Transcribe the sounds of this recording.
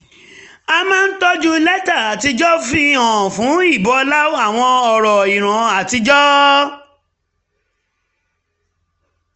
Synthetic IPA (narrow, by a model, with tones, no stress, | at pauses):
a˧mãː˦n̩˦tɔ˦d͡ʒu˦lɛ˦ta˦˨a˨ti˧d͡ʒɔ˦fĩ˦ɔ̃˨fũ˨˦i˦˨bɔ˨˧la˦o˦a˦˨w̃ɔ̃˧ɔ˨ɾɔ˨i˨ɾ̃ã˨a˨ti˧d͡ʒɔ˦